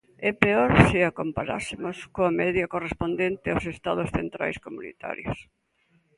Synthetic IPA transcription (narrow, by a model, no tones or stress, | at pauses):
ɛpeoɾsɪakompaɾa̰sɪmoskoɐmɛðjɐkorespond̪ent̪ɪawsest̪aðosθent̪ɾa̰jskomunḭt̪a̰ɾjo̰s